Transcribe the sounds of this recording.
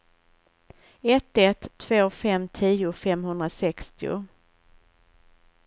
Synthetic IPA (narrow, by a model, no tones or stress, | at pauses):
ɛt̪ːɛt̪ʰːv̥oːfɛmt̪ʰiːʊfɛmhɵnd̪ɾasɛkst̪ɪʊ̰